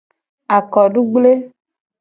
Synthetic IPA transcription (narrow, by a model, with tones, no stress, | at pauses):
a˨kɔ˨ɖu˦ɡ͡ble˦